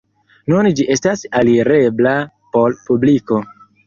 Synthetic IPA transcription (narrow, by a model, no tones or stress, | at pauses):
nund͡ʒiʔe̞stasaliɾe̞bla | po̞lpubliko̞